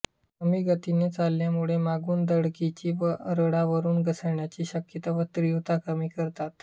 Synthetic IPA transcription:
kəmiːɡət̪inet͡salːjamuɭemaɡuːnd̪əɽkit͡ɕiːʋəɾəɽaʋəɾuːnɡəsəɳjat͡ɕiːɕəkjət̪aʋət̪ɾiʋt̪akəmiːkəɾt̪at̪

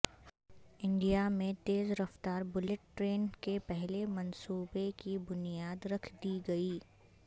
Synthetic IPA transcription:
ɪ̃ɳɖijamẽt̪eːzɾɐft̪aːɾbʊlɪʈːɾeːnkepɛɦlemɐnsuːbekibʊnijaːd̪ɾɐkʰd̪iɡɐiː

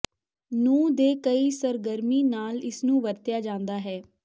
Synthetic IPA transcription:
nũːd̪eːkəiːsəɾɡəɾmiːnaːlɪsnũːʋəɾt̪ɪjaːd͡ʒãːnd̪aːɦɛː

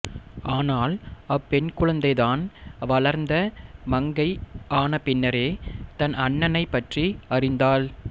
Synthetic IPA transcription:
ʔaːnaːlɐpːɛnkʊɻɐnd̪ɐɪðaːnʋɐɭɐɾnd̪ɐmɐŋɡɐɪaːnɐpɪnːɐɾeːt̪ɐnɐɳːɐnɐɪpːɐʈriɐrɪnd̪aːl

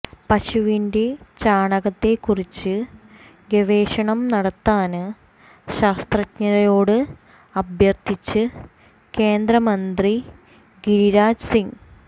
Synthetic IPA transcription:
pɐɕuʋinde̞t͡ɕaːɳɐɣɐt̪ːe̞kːurit͡ɕːɨ | ɡeʋe̞ːɕɐɳɐmnɐɽɐt̪ːaːnɨ | ɕaːst̪rɐtɲɐɾɐjo̞ːɽɨ | ɐbʱjɐrt̪ʰit͡ɕːɨ | ke̞ːnd̪ɾɐmɐnd̪ri | ɡiɾiɾaːd͡ʑsiŋ

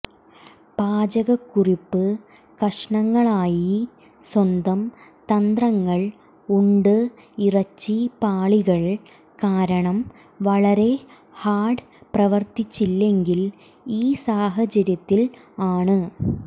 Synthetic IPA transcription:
paːd͡ʑɐɣɐkːuripːɨ | kɐʂɳɐŋːɐɭaːji | swɐnd̪ɐmt̪ɐnd̪rɐŋːɐɭ | uɳɖɨ | irɐt͡ɕːipaːɭiɣɐɭ | kaːɾɐɳɐm | ʋɐɭɐɾe̞ | haːɖɨ | prɐʋɐrt̪it͡ɕːilːe̞ŋɡil | iːsaːɦɐt͡ɕɐɾjɐt̪ːil | aːɳɨ

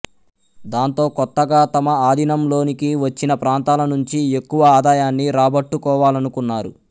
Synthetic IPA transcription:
d̪aːnt̪o̞ːkɔt̪ːɐɡaːt̪ɐmɐaːd̪ʱinɐmlo̞ːnikiʋɐt͡ʃːinɐpɾaːnt̪aːlɐnuɲt͡ʃiekːuʋɐaːd̪aːjaːnːiɾaːbɐʈːukɔːʋaːlɐnukunːaːɾṵ

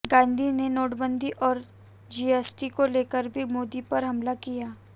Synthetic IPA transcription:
ɡãːnd̪ʱinenoːʈbə̃nd̪ʱiʔɔːɾ | d͡ʒiːɛːsʈikoleːkəɾbʱimoːd̪ipɐɾɦɐmlakijaː

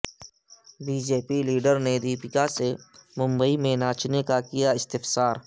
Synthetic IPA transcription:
biːd͡ʒeːpiliːɖəɾned̪iːpɪkasemʊ̃mbəimẽnaːt͡ʃnekakijaɪst̪ɪfsaːɾ

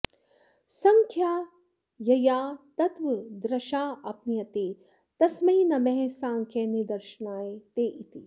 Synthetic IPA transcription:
sɐ̃ŋkʰjaː | jɐjaːt̪ɐt̪ʋɐd̪ɾɐʃaːʔɐpnijɐt̪eː | t̪ɐsmɐɦinɐmɛ̃ɦsãːŋkʰjenid̪ɐɾʃnaːet̪eːʔit̪i

